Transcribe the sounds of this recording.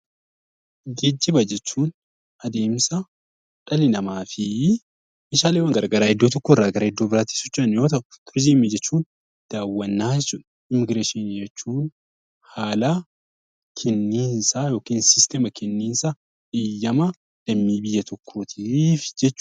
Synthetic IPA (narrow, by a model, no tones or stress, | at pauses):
ɡɛd͡ʒːɪbɐd͡ʒɛt͡ʃːuːn | ʔɐd̪e̞ːmsɐ | ᶑɐlɪnɐmaːfɪ | mɪʃaːleːwɐŋɡɐɾɐɡɐɾaːhɛd̪ːoːt̪̬ɔkːoɪrːaːɡɐɾɐɛd̪ːoːbɪɾaːt̪i̥ːsɔt͡ʃːɐnjo̞ːt̪ɐʔʊt̪ʊɾd͡ʒiːmːid͡ʒɛt͡ʃːuːn | d̪̥aːwːɐnːaːd͡ʒɛt͡ʃːʊᶑɐ̥ | ɪmɪɡɾeːʃɪnid͡ʒɛt͡ʃːuːn | haːla | kʰɛnːiːnsaːjo̞ːkiːnsɪst̪ɛmɐkɛnːiːnsɐ | ᶑɪjːɐmɐ | lɐmːiːbɪjːɐt̪ʰɔkʰːoːt̪ʰɪfɪ̥d͡ʒɛt͡ʃː